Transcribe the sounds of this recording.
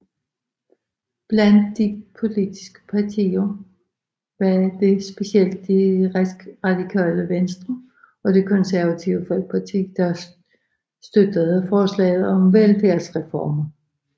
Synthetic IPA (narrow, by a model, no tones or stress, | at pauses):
b̥læn̰d̥ːipʰo̝lid̥isɡ̥ə̥pʰɑ̈t͡sʰḭːɐ | ʋɑd̥e̝sb̥e̝siel̰d̥̚ːiʁasɡ̥ʁɑ̈d̥ikʰɛ̰ːləʋensd̥ʁɐ | ɒ̽d̥e̝kʰɒ̽nsæɐʋæt͡sʰiʊəfɒ̽l̰ɡ̥̚pʰɑ̈t͡sʰḭːd̥ɑ | sd̥ød̥əð̩ˠfɒːslɛ̰ɪð̩ˠɒ̽mʋelfæɐsʁɛfɒ̰ːmɐ